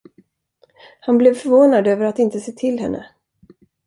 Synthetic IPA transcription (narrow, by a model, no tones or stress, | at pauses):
hanblɛvfœɾvoːnad̪øːvəɾat̪ɪnt̪əseːt̪ʰɪlhɛ̰nːʔə̰